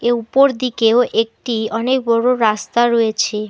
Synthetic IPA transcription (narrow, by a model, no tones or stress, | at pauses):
eupoɾd̪ikeoʔek̚ʈiɔnek̚bɔɽoɾast̪aɾɔjet͡ɕʰe